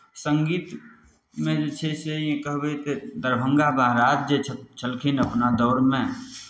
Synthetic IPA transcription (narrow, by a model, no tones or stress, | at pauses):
sə̃ŋɡiːt̪ | mẽd͡ʒet͡ʃʰesejẽkəɦbet̪ed̪əɾbʱə̃ŋɡabaɦɾaːt̪̚d͡ʒet͡ʃʰt͡ʃʰəlkʰinəpnad̪ɔːɾmẽ